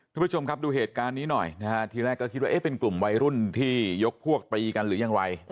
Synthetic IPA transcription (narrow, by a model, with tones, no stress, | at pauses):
kʰːpʰːu˥t͡ɕʰo˧mkʰa˦˥p̚duː˧ɦeː˨˩t̪̚kaː˧nːiː˦˥nɔ˨˩jna˦˥kʰa˦˥t̪ʰiː˧ɾɛː˥˩kːɔ˥kʰi˦˥waː˥˧ʔeː˦˥˩pe˧nklu˨˩mwa˧jɾu˥˩nt̪ʰiː˥˩jo˦˥k̚pʰu˥˩ək̚t̪iː˧ka˧nɾɯː˩˦jaː˧ŋwa˧j